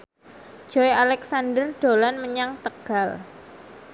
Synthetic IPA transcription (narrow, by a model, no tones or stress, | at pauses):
d͡ʒ̥ɔjalɛksandərɖ̥olanməɲaŋt̪əɡ̥al